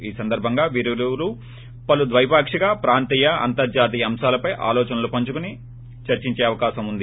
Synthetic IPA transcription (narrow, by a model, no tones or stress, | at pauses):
iːsɐnd̪ɐɾbʱɐŋɡaːʋiɾululu | pɐlud̪ʋɐjpaːkʂiɡaːpɾaːnt̪iːjɐɐ̰nt̪ɐɾd͡ʒaːt̪̬iːɐɐmʃaːlɐpɐjʔa̰ːlɔːt͡ʃɐnɐlupɐɲt͡ʃukuni | t͡ʃɐɾt͡ʃiɲt͡ʃeːɐʋɐkaːʃɐmund̪i